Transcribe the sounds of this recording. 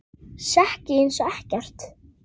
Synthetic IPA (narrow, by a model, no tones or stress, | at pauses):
sahcɪejnsɔɛhcɛr̥t̪